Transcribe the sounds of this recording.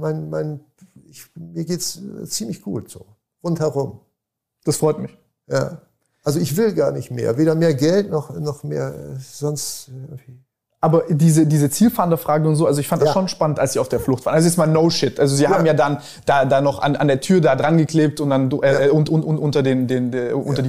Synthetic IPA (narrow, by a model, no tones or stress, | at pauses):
maɪnmaɪn | ɪçmiːɐɡeːtst͡siːmlɪçɡ̥ṵːtz̥o̰ː | ʁʊnthɛʁʊm | d̥asfʁ̥ɔʏtmɪç | ja̰ː | ʔalzoɪçv̥ɪlɡaːɐnɪçtmḛːɐveːɾɐmeːɐɡɛltnɔχnɔχmḛːɐɛzɔnstɪɡŋtv̥iː | ʔaːbɐdiːzədiːzət͡siːlfaɐndɐfʁ̥aːɡəʊntz̥oːalzoɪçfant̚d̥asʃoːnʃpanəntʔalsz̥iːaʊfd̥eːɐflʊχtfaːɐnʔalzojɛt͡stmaːlnoʊʃɪtʔalzoziːaːm̩jaːdan | d̥aːdaːnɔχa̰nʔa̰ndeːɐtʰyːɐdaːdʁanɡəkl̥eːp̚tʊntd̥andʔɛɛʊntʔʊntʔʊntʊntɐdeːndeːneʔʊ̰ntɐdiː